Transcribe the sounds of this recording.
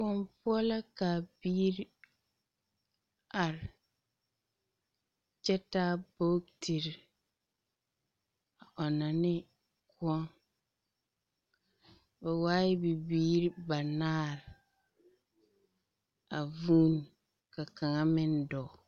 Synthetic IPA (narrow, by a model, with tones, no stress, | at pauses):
wɔ˦mpʊ˦ɔ˦la˦kaː˨biː˦ɾ | a˨ɾɪ˨ | t͡ʃɛ˦ta˦bo˦tʰi˨ɾ | a˨ɔ˨na˨nɪ˦ | kʊ˦ɔ˦ŋ | bɛ˨waː˦ɪ˦bɪ˨biː˦ɾi˦ba˨naː˦ɾɪ˨ | a˨vuː˦n˨ | ka˨ka˨ŋa˦mɪ˦ndɔ˨